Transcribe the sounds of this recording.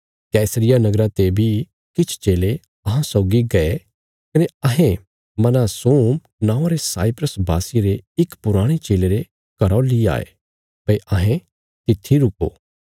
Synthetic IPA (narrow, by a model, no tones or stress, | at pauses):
kɛːsəɾɪjanɐɡɾãt̪ebʱi | kɪt͡ʃʰt͡ʃeːle | ɐɦãsɔːɡiɡɐe | kɐneɐɦẽ | mɐnasoːm | nãːʊ̃aːɾesaːipɾəsbʱaːsɪeɾeɪkpʊɾaːɽ̃et͡ʃeːleɾe | kɐɾɔlia̰ːḛː | pɐiʔɐɦẽ | t̪ɪt̪ʰːiɾʊko̰ː